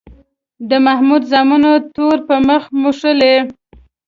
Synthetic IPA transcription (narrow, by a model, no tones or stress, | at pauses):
d̪əmahmud̪zɑmunot̪oɾpəməxmuʂəle